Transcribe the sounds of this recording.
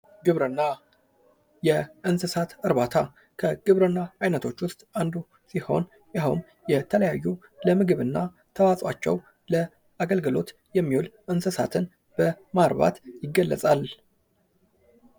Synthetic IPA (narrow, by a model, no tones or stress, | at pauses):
ɡɨβɾɨnːa | jɛʔɨnsɨsat̪ɨɾβat̪ʰa | kʰəɡ̥ɨβɾɨnːaʔajnət̪ʰo̞t͡ʃːwʊst̪ʼand̪u | siho̞̰n | jawʊm | jɛt̪ʰələjajːu | ləmɨɡɨβɨnːa | t̪ʰəwasʼwat͡ʃːɛ̰w | lə | ʔaɡəlɡəlo̞̰t̪ | jɛmːiwulʔɨnsɨsa̰t̪ʰɨn | b̥ə | maɾβa̰t̪jɪɡːəlːə̰sʼal